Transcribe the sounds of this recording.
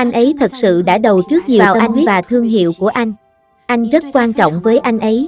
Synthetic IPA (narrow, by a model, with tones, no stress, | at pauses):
ʔa˧jŋ̟ʔə˨˦jt̪ʰə˨˩t̚sɨ̰˧˨ɗa̰ː˧˥ɗə˨˩wt͡ɕɨ˦˥ək̚ɲi˨˩əaː˨˩wə˧ʔa˧jŋ˦˥vaː˨˩t̪ʰɨ˧əŋɦḭ˧˨əwku˧˩əʔa˧jŋ̟ | ʔa˧jŋ̟zə˦˥t̚kwaː˧nt͡ɕɔ̰˧˨wŋ͡mvəː˨˦jʔa˧jŋ̟ʔə˨˦j